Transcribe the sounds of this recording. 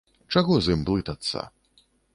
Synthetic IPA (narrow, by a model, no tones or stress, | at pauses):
t͡ʂaɣɔzɨmplˠɨt̪ɐt̪sːɐ̰